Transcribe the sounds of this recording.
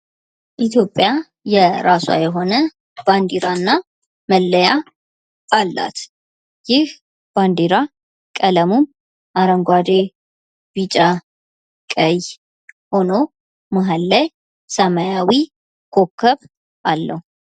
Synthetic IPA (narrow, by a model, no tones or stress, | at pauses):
ʔit̪ʰjo̞pʼːja | jɛɾaswa̰jɛɦo̞nə | b̥and̪iɾanːa | məlːəja | alːa̰t̪ | jɪh | b̥and̪iɾa | kʼələmum | ʔaɾəŋɡʷad̪e | b̥it͡ʃʼa | kʼəj | ho̞no̞ | maɦalːaj | səmajawi | kʰo̞kʰːəβ | ʔalːə̰hu